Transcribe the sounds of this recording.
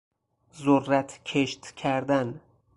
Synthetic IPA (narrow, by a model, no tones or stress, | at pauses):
zoɾːat̪ʰkʲʰeʃt̪kʲʰæɾd̪an